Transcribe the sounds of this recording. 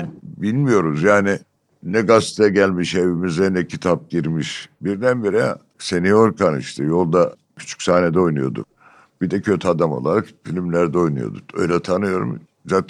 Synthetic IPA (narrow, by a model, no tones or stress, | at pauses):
bilʲmijo̞ɾuzjaːni | nɛɡast̪ʰɛɟælʲmiʃe̞vimizd̪ɛnɛcʰit̪ʰap̚ɟiɾmiʃbiɾd̪ænbiɾɛ | senioɾkʰanḭʃt̪ʰɛjo̞lˠd̪a | cʰy̥t͡ʃʰy̥cʲsaːne̞d̪ɛo̞jnujo̞̰d̪ṵk̚ | b̥id̪ɛcʰø̞t̪ʰyad̪amo̞̰lˠaɾakfilʲimlʲæɾd̪ɛo̞jnṵjo̞̰d̪ukø̞̰jlʲɛt̪ʰanɯjo̞ɾṵm | zaːt̪ʰ